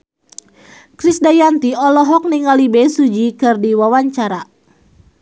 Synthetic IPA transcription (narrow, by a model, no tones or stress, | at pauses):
kɾisdajant̪iɔlɔɦɔk̚niŋalibɛsud͡ʒikɨrdiwawaɲt͡ʃaɾa